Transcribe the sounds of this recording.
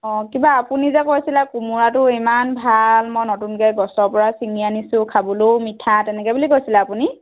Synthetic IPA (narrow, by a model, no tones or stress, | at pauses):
ɔ̃kibaːpunizakojsilakumuɹatʊimanbʱalmɔjnɔtunɡajɡɔsɔɹpɔɹasiŋianisʊ̃kʰabɔlowmitʰːatɛnɛkɛjbulikojsilaapuni